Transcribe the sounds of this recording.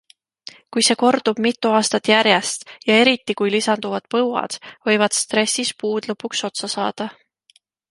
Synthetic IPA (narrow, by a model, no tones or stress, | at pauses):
kujse̞ːko̞rd̪̥ub̥mit̪ˑːuɑːst̪ɑt̪ːjæɾjest̪jɑe̞ɾit̪ːˑikujlisɑnd̪̥uvɑd̪̥pɤwɑ̰d̪̥vɤ̞jvɑd̪̥st̪ɾe̞sːispuːd̪̥lɤpːˑukso̞t̪sɑsɑ̰ːd̪̥ɑ